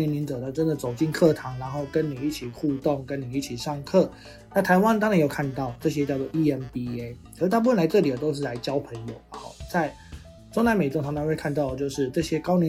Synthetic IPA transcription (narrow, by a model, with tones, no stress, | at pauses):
ɛ˧˥nli˧˥nt͡sɤ˨˩d̪ə˨˩ʈ͡ʂə˦nd̪ə˨t͡so˨˩ʊt͡ɕi˥˧˨nkʰɤ˥˩t̪ʰɑ˧˥ŋna˧˥nxo˥˩ʊkə˦nni˨˩i˥˩t͡ɕʰi˨˩xu˥˧t̪o˥˩ŋkə˦˥ni˨˩i˥˩t͡ɕʰi˨˩ʂɑ˥˧˩ŋkʰɤ˥˩ | na˥˩t̪ʰa˧˦ɪwa˥nt̪ɑ˥ŋɻa˧˥njo˨˩ʊkʰa˥˧nt̪ɑ˥˩ʊʈ͡ʂɤ˥˧ɕ̬jɛ˥t͡ɕjɑ˥˧t͡sɔ˥˩ʔi˥˩jɛ˧˥npi˥e˦ | o˧˥˩t̪a˥˧p̬u˥˩fə˥˩la˧˥ɪʈ͡ʂɤ˥˩t̪i˨˩t̪o˥ʊʂ̬ɻ̩˥˩la˧˥ɪt͡ɕjɑ˥ʊpʰə˧˥ŋjo˨˩ʊɐ˩hɔ̰˥˩t͡sa˥˩ɪ | ʈ͡ʂo˥ŋna˧˥me˨˩ɪo˥ŋtʰa˧˥ŋna˧˥we˥˧ɪkʰa˥˧nt̪ɑ˥˩ʊd̪ə˨˩t͡ɕjo˥˧ʊʂɻ̩˥˧ʈ͡ʂɤ˥˨ɕjɛ˥kɑ˥ʊnɛ˧˦